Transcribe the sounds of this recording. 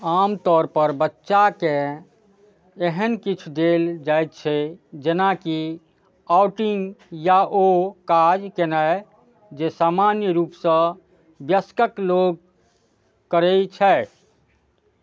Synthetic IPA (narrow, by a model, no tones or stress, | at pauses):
aːmt̪ɔːɾpəɾbətːʃakẽ | eɦənkit͡ʃʰd̪eld͡ʒajt̪̚t͡ʃʰɛd͡ʒenaki | aʊʈiŋɡjaokad͡ʒkenaj | d͡ʒesaːmanjəɾuːpsə̃ | bjəskəkloɡ̚ | kəɾɛt͡ʃʰɛ